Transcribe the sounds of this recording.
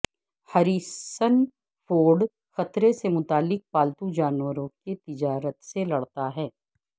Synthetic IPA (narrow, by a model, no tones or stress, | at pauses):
hɐɾiːsən | fʰoːɖ | xɐt̪ɾesemʊt̪aːlːɪk̚paːlt̪ud͡ʒaːnwəɾõket̪ɪd͡ʒaːɾət̪selɐɽt̪aɦɛː